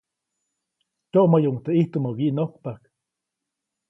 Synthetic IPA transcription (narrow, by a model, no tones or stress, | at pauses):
t͡ʃoʔmajuʔŋt̪eʔiht̪umawiʔnokpak